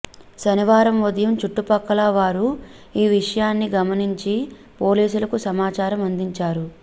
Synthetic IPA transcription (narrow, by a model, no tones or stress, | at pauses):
sɐniʋaːɾɐmʋod̪ɐjɐmt͡ʃuʈːupɐkːɐlɐʋaːɾu | iːʋiʂɐjaːnːiɡɐmɐniɲt͡ʃi | po̞ːliːsulɐkusɐmaːt͡ʃaːɾɐmɐnd̪iɲt͡ʃaːɾu